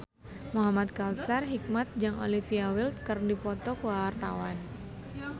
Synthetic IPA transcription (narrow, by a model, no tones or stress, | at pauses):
muɦamat̪̚kalsarɦik̚mat̪̚d͡ʒaŋo̰lifiawilt̪kɨrdipɔt̪ɔkəawart̪a̰wan